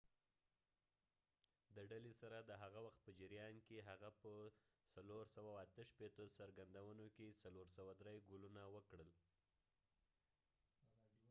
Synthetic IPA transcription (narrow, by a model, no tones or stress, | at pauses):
d̪əɖalesaɾad̪əɦaɣawaxt̪̚pəd͡ʒɪɾjɑnkeɦaɣapəsaloɾsawawat̪əʃpet̪osaɾɡand̪awənokesaloɾsawad̪ɾejɡulunawəkɽəl